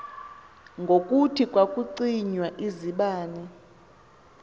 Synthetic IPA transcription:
ŋɡʱokʼutʰikʼwakʼuǀiɲwaʔiziɓaːnɛ

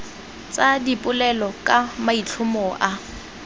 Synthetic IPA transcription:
t͡sʼadipʼʊlɛlɔkʼamait͡ɬʰʊmɔʔa

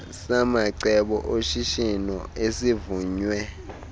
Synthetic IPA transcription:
samaǀɛɓɔ̰ʔoʃiʃinɔ̰esivuːɲwɛ

